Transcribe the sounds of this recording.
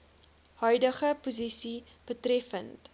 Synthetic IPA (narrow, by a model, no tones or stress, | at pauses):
hœɥdəχəpuzisib̥ətrɛfənt